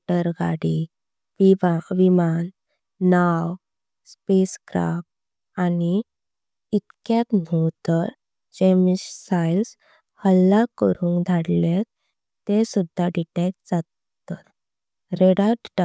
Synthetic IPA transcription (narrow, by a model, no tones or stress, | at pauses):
ʈəɾɡa̰ɽi | ʋimanː | aw | speskɾa̰p | ani | it̪kjat̪nowt̪əɾ | d͡ʑemisajls | həlːakəɾũːŋɡd̪ʱaɽlet | t̪esud̪ʱːaɖiʈetd͡zat̪ː | ət̪ | ɾeɽat̪ɖ